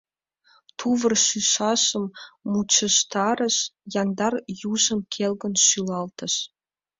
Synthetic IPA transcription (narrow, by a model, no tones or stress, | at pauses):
t̪ʰuvə̆rʃyʃɑʃə̆mːut͡ɕə̆ʃt̪ɑɾə̆ʃjɑnd̪ɑrjuʒə̆mkʰelɣə̆nʃylɑlt̪ə̆ʃ